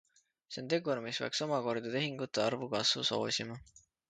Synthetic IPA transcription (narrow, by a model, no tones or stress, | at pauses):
se̞nt̪e̞ɡuɾmisv̥ḛkso̞mɑko̞rd̪ɑt̪e̞ɦiŋɡ̥ut̪ːˑeɑɾrvukɑsvṵso̞̰ːsimɑ